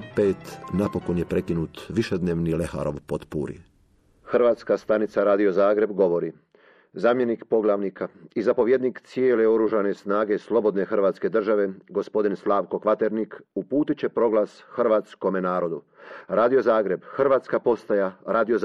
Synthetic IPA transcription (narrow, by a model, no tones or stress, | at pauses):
peːt̪napo̞konjepɾekinuːt̪ʋiʃed̪neːʋnilexa̰ɾo̰ʋpot̪pṵɾḭ | xr̩ʋaːt̪skast̪anit̪saɾaːd̪io̞zaːɡɾe̞bɡo̞ʋo̞ɾi | zaːmje̞nikpo̞ɡlˠaʋnikaizapo̞ʋje̞d̪niːkt̪sjeːle̞o̞ɾuːʒane̞snaːɡe̞slˠo̞bo̞d̪ne̞xr̩ʋaːt̪ske̞d̪r̩ʒaʋe̞ɡo̞spo̞d̪inslˠaːʋko̞kʋat̪e̞ɾnikupuːt̪it͡ɕe̞pɾo̞ɡlˠasxr̩ʋaːt̪sko̞menaːɾo̞d̪u | ɾaːd̪io̞zaːɡɾe̞bxr̩ʋaːt̪skapo̞st̪ajaɾaːd̪io